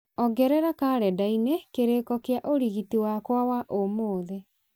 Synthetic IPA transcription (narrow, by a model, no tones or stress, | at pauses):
ɔɡɛɾɛɾakaːɾɛdainekeɾekɔkeaʔoɾiɣitiwakwawaʔomoːðe